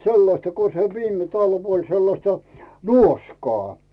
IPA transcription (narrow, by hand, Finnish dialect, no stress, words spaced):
selːɑstɑ ko se ʋiːme tɑlʋ olʲ selːɑstɑ nuoskɑː